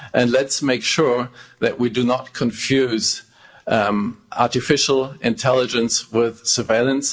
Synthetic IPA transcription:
ʔɨ̃nlɨtsmeɪkʃʊɹðɨʔwidɨnət̚kʰə̃ɱfjʉz | ɑɹɾɨfɪʃl̩ˠʔɪ̃ntʰɛlˠəd͡ʒɨ̃nswɪð̥sə˞veɪlˠə̃ns

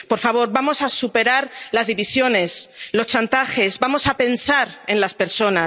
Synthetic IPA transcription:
po̞ɾfaβ̞o̞ɾβamo̞sasupe̞ɾaɾlazðiβisjo̞ne̞slo̞st͡ʃant̪axe̞zbamo̞sape̞nsaɾẽ̞nlaspe̞ɾso̞na

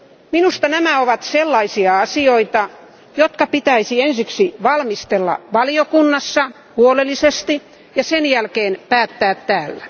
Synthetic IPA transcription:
minust̪ɑnæmæoʋɑt̪selːɑisiɑɑsioit̪ɑ | jot̪kɑpit̪æisiensiksiʋɑlmist̪elːɑ̰ʋɑliokunːɑsːɑ | huolelːisest̪i | jɑsenjælkeːnpæːt̪ːæːt̪tæːlːæ

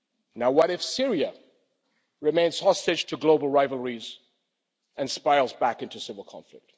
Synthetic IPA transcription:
naʊwʌɾɨfsɪɹiə | ɹɨmẽɪ̃nz̥hɔstɨ̥d͡ʒtʰɨɡloʊbl̩ˠɹaɪvl̩ˠɹiz | ɨ̃nspaɪlˠzbækɪ̃ntusɪvəl̩ˠkʰɑ̰̃ɱflɪ̰k̚t̚

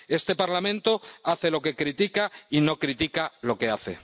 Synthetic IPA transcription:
e̞st̪e̞paɾlamẽnt̪oaθe̞lo̞ke̞kɾit̪ikaino̞kɾit̪ikalo̞ke̞aθḛ

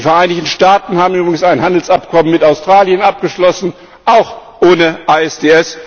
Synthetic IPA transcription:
fɛɐʔaɪnɪçtn̩ʃtaːtn̩haːbm̩ʔyːbʁɪɡŋ̩saɪnhandl̩sap̚kʰɔmənmɪtaʊstʁ̥aːljənʔap̚ɡ̥əʃlɔsn̩ | ʔaʊxʔoːnəʔaɛsd̥eːɛs

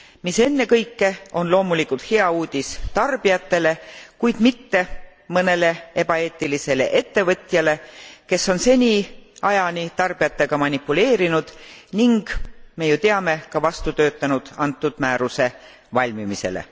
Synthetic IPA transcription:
mise̞nːe̞kɤjkːe̞o̞nlo̞ːmulikult̪he̞ɑuːd̪̥ʲist̪ɑrb̥iɑt̪ːe̞le̞kujd̪̥mit̪ːe̞mɤne̞le̞e̞b̥ɑe̞ːt̪ːilise̞le̞̰ʔe̞t̪ːe̞vɤt̪ʲˑjɑle̞ke̞sːo̞nse̞nʲiɑjɑnʲit̪ɑrb̥ijɑt̪ːe̞ɡ̥ɑmɑnʲipːˑule̞ːɾinud̪̥niŋɡ̥me̞jut̪e̞ɑme̞kɑvɑst̪ut̪ø̞ːt̪ːˑɑnud̪̥ɑnt̪ˑːud̪̥mæːɾuse̞ | vɑlʲmimise̞̰lḛ

